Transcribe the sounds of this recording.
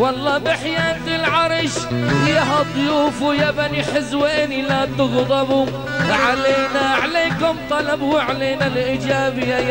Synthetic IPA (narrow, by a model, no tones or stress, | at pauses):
wɑlˤːɑːbɪħjaːnt̪ɪlʕɑɾˤʃɪjaɦad̪ˤʊjuːfujabaniħɪzweːnilat̪ʊɣd̪ˤɑbu | ʕaleːnaʕaleːkʊmt̪ˤɑlɑbhuʕaleːnalʔɪd͡ʒaːbɪja